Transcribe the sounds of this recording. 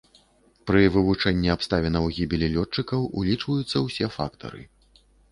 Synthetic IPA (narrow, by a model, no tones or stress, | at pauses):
pɾɨvɨvut͡ʂɛnʲːiapst̪avʲɛnɐwɣʲibʲilʲilʲɔt͡ʂːɨkɐwʔulʲit͡ʂvɐjut̪sːɐwsʲɛfa̰kt̪ʰɐ̰ɾɨ̰